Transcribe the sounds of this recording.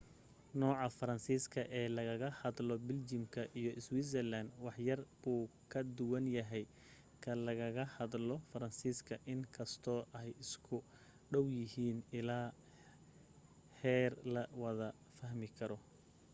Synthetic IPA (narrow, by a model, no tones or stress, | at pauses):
nɔːʕɑfɐɾɐnsiːskʰɐʔɛːlɐɣɐɣɐhɐd̪lɔbɪld͡ʒɪmkʰɐʔijɔʔɪswiːsɛrland̪wɑħjɐrbuːkʰɐd̪ʊwɐnjɐɦɛj | kʰɐlɐɣɐɣɐhɐd̪lɔfɐɾɐnsiːskʰɐʔɪŋkʰɐst̪ʰɔːʔɛjɪskʰʊ | ɖɔwjɪhiːnɪlaː | hɛːrlɐwɐðɐ | fɐɦmɪkʰɐɾɔ